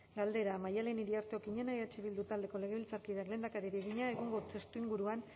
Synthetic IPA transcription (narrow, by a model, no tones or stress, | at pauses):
ɡald̪e̞ɾamajale̞niɾiaɾt̪eo̞kiɲenaeat͡ʃiβild̪ut̪ald̪e̞ko̞le̞ɣeβilt͡saɾkiðakle̞ːnd̪akaɾiɾieɣiɲae̞ɣoŋɡo̞t͡se̞st̪uiŋɡuɾuan